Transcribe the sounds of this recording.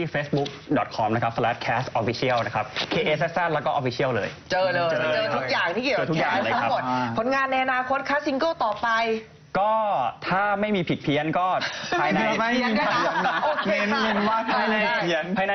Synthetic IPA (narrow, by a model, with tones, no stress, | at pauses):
iː˥˩feː˦˥sbu˦˥k̚dɔ˨˩t̪̚kʰɔ˧mna˦˥kʰa˦p̚slɛː˦˥t̪̚kʰɛː˦˥st̪ʔɔ˧˥fi˦˥si˥˩əwna˦˥kʰa˦˥p̚kʰeː˧ʔeː˦˥sɛ˦˥s̚sa˥˩lɛ˦˥wkɔː˥ʔfi˧˥sʰi˥˩əwlɤː˧jt͡ɕɤː˧lɤː˧t͡ɕːɤː˧˩˦k̚jaː˨˩ŋt̪ʰiː˥˩i˨˩˧t̪ʰu˥kjaː˨˩ŋ˥lːa˥˦mo˨˩t̪̚pʰo˨˩˦nŋaː˧nːa˧jʔa˧naː˧kʰo˦˥t̪̚kʰa˦˥si˧ŋkɤː˥˩t̪ɔː˨˩pa˧j | kɔː˥˩t̪ʰaː˥˩ma˥˩jmiː˧pʰi˨˩t̪̚pʰi˧ənkɔː˥˩a˧jna˧˦a˥˩˧a˧˩˧ma˧˩ʔoː˧˩e˧e˧waː˥˩a˧jna˧jpʰa˧jna˧